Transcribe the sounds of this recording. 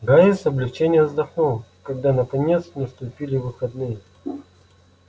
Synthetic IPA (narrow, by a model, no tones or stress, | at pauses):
ɡajisɐblʲɪft͡ɕenʲɪjəzd̪ɐxnolˠkɐɡd̪anəkɐnʲe̞t̪snəst̪ʊpʲilʲɪvɨxɐd̪nɨjə